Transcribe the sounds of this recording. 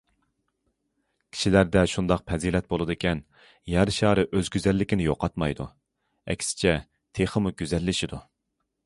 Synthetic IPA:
kʲʰi̥ʃilæɾd̪ɛʃund̪ɑq̚pʰɛzilɛt̪̚bolˠɨd̪ɨkʲʰɛn | jæɾʃɑːɾɨʔøzɡʲyzɛlːɪkʲɪnɪjo̰qɑt̪mɑjd̪ṵ | ɛ̰kʲsɪ̥t͡ʃʰɛ | t̪ʰeχəmuɡʲyzɛlːɪʃid̪u

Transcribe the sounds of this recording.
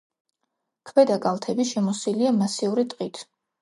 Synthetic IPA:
kʰvɛd̪akʼalˠt̪ʰɛbiʃɛmɔsiliamasiuɾit̪ʼqʼit̪ʰ

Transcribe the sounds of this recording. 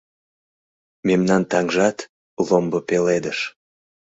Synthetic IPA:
memnɑnt̪ɑŋʒɑt̪ | lombəpeled̪əʃ

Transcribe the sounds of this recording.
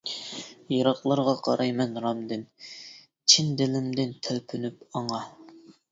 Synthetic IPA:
jɑɾɑχlˠɑɾʁɑqʰɑ̰ɾʔɑjmɛnɾɑmd̪ɨn | t͡ʃʰind̪ɪlɪmd̪ɪnt̪ʰælpʰynypɑŋɑ

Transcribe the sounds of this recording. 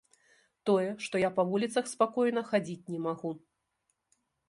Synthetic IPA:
t̪ɔjɛʂt̪ɔjapɐvulʲit̪sɐxspakɔjn̪ɐxad͡zʲit͡sʲnʲɛmaɣu

